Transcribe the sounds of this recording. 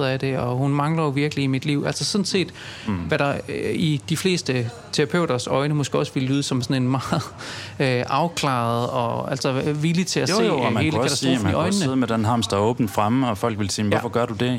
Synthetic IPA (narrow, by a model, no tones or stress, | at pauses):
ðˠæd̥e̝ɒhunmɑ̈ŋlɐjoʋiɐɡ̥əliːmid̥liʊ̰æl̰sɐsɔ̽nse̝̰ːd̥ʋæɾɑ̈id̥ifle̝̰ːsd̥ə | t͡sʰeʁɑpʰøʊ̰ɾ̥ɐsɒ̽ɪnəmɔ̽sɡ̥əɒ̽sʋe̝ləlyːð̞ˠsɒ̽msɔ̽ne̝nmɑ̈ːð̩ˠøʔɑ̈ʊkʰlɑ̰̈ð̩ˠɒ̽æl̰sɒʋilit͡sʰe̝æse̝he̝ːləkæd̥ɑiʔɒɪnːəð̩ˠmed̥enɦɑ̈ːmsd̥ɑɔːb̥n̩̥fʁamɒ̽fɒ̽l̰ɡ̥ʋe̝lsiːmɔfɒ̽ɡ̥ɶɐd̥ud̥e̝